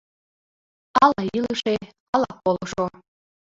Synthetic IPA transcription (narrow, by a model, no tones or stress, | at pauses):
ɑlɑilˠɯʂe | ɑlˠɑpolˠɤ̆ʂo